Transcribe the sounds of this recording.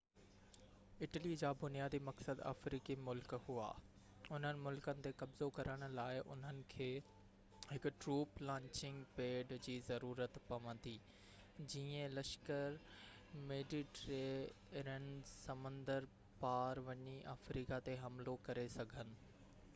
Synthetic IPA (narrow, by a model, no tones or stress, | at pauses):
ɪʈəlid͡ʑaːbʊnijaːd̪imɐksəd̪a̰ːfɾiːkimʊlkhua̰ː | ʊn̤ənɪ̆mʊlkənɪ̆t̪ekɐbzokɐɾəɽ̃ʊ̆laːɪʔʊ̰n̤ənɪ̆kʰeː | ɦɪkʊʈɾuːplãːɲt͡ɕɪ̃ŋɡpeːɖd͡ʑiːzɐɾuːɾət̪pɐʋə̃nd̪iː | d͡ʑiːə̃lɐʃkəɾ | meːɖiʈɾeː | ɾənɪsɐmə̃nd̪əɾ | paːɾʋɐɲiʔaːfɾiːkat̪eɦɐmlokɐɾesɐɡʱənɪ̆